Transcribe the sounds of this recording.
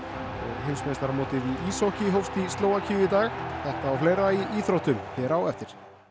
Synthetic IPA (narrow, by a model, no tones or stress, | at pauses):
ɔɣɦɪnsmest̪aɾmoːt̪ɪðiisohcɪɦowfst̪ist̪loːwacʰʏːjɪit̪aːɣθɛht̪aːwfleːjɾaiʔiːθɾowht̪ʏlçɛːɾawɛft̪ɪɾ̥